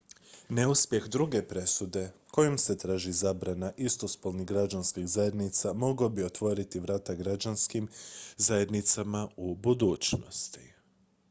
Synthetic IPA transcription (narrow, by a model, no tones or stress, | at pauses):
neuspje̞xd̪ɾuɡe̞pɾe̞sud̪e̞ko̞jomse̞t̪ɾaːʒizaːbɾanaʔist̪o̞spolˠniɡɾad͡ʒanskiɣzaje̞d̪nit̪samo̞ɡobio̞t̪ʋo̞ɾit̪iʋɾaːt̪aɡɾad͡ʒanskimzaje̞d̪nit̪samaubud̪uːt͡ʃno̞̰st̪i̥